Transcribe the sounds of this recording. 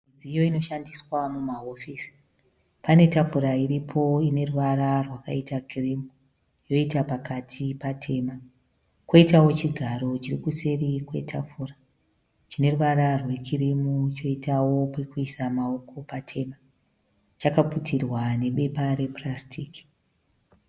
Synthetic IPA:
id͡ziijo̞ino̞ʃandiswamumaɦo̞fiːsi̥ | pane̞tafuɾaiɾipʰo̞ine̞ruʋaɾarwakaitakʰirimu | jo̞itapakatʰipatʰe̞ːma | kwo̞itawo̞t͡ʃiɡʱaɾo̞t͡ʃirikuse̞rikwe̞tʰafura | t͡ʃine̞ruʋaɾarwe̞kʰirimut͡ʃo̞itʰawo̞pe̞kuisamao̞ko̞patʰe̞ːma | t͡ʃakaputʰirwane̞ɓe̞paɾe̞prastʰiːki̥

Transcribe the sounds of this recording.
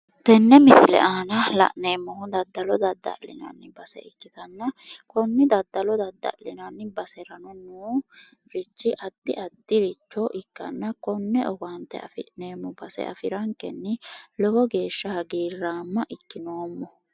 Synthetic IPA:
t̪ɛnːɛmɪsɪlɛ̰ʔaːnɐlɐ̰ʔne̞ːmːɔhʊd̪ɐd̪ːɐlɔd̪ɐd̪ːɐ̰lɪ̰nɐ̰nːɪbɐsɛ̰ɪkːɪt̪ɐnːɐkɔnːɪd̪ɐd̪ːɐlɔd̪ɐd̪ːɐ̰lɪnɐnːɪbɐsɛɾɐnɔnuː | ɾɪt͡ʃːɪʔɐd̪̥ːɪʔɐd̪ːɪɾɪt͡ʃːɔʔɪkːɐ̰nːɐkɔnːɛʔɔɡɐnt̪ːɛ̰ɐ̰fɪneːmːɔbɐsɛ̰ʔɐ̰fɪɾɐŋkɛnːɪlɔbɔɡe̞ːʃːɐhɐɡiːrːaːmːɐʔɪkːɪno̞ːmːɔ

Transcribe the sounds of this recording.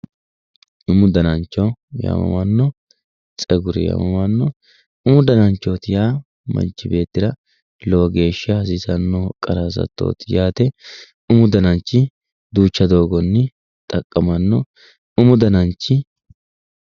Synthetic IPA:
ʊmʊd̪ɐnɐnt͡ʃːɔjɐ̰mɐ̰mɐnːɔ | t͡sʼɛɡʊɾɪ̰jɐ̰mɐmɐnːɔ | ʊmʊd̪ɐnɐnt͡ʃːoːt̪ɪjaː | mɐ̰nt͡ʃːɪbe̞ːt̪ːɪɾɐ | loɡe̞ːʃːɐhɐs̬ɪsɐnːɔkʼɐɾas̬ɐ̰t̪ːo̞̰ːt̪ɪjaːt̪ɛ | ʊmʊd̪ɐnɐnt͡ʃːɪ | d̪uːt͡ʃːɐd̪o̞ːɡɔnːɪ | t̪ʼɐkʼːɐmɐnːɔ | ʊmʊd̪ɐnɐnt͡ʃːɪ

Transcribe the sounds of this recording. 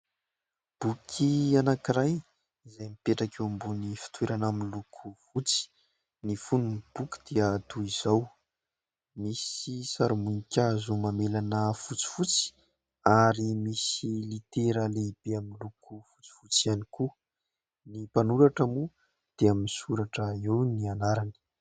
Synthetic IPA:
b̥ukʰianakiɾaj | izajmipeʈ͡ʂakewmbunifi̥t̪weɾanaminlukʰufut͡si̥ | nifununib̥uki̥d̪̥eət̪uiz̥aw | misisaɾumunikʲazumamelanəfut͡si̥fut͡si̥ | aɾimisilit̪eɾaleib̥eamilukʰufu̥t͡si̥fut͡sianiku | nipanuɾaʈ͡ʂəmu | d̪̥eaminisuɾaʈ͡ʂəewnianaɾani̥

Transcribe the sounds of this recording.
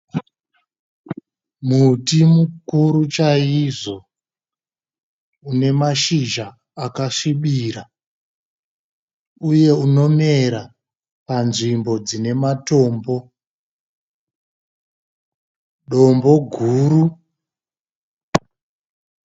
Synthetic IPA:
mutimukuɾut͡ʃaiʐo̞ | une̞maʃiʒaː | kaʂiɓiːɾa | uje̞uno̞me̞ɾa | panʐimbo̞d͡zine̞mato̞ːmbo̞ | ɗo̞mbo̞ɡʱuːɾu

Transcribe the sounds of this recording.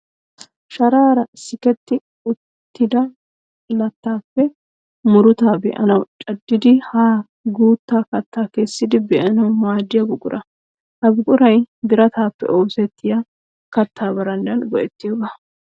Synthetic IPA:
ʃɐɾaːɾɐɪsːɪkɛt̪ːɪ | ʊt̪ːɪd̪ɐ | lɐt̪ːaːpːɛ | mʊɾʊt̪aːbɛ̰ʔɐ̰nɐwt͡ʃʼɐd̪ːɪd̪ɪhaː | ɡuːt̪ːaːkɐt̪ːaːkesːɪd̪ɪbɛʔɐnɐwmaːd̪ːɪjɐbʊkʼʊɾʔɐ | ʔɐbʊkʼʊɾɐjd̪ɪɾɐt̪aːpːɛ̰ʔoːsɛt̪ːɪja | kɐt̪ːaːbɐɾɐnd̪ɐnɡɔʔɛt̪ːɪjoɡɐ

